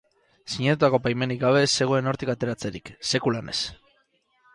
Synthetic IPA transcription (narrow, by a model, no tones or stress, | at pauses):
siɲet̪ut̪ako̞pajme̞nikɡaβe̞se̞ɣ̞o̞e̞no̞ɾt̪ikat̪e̞ɾat͡se̞ɾikse̞kulane̞̰s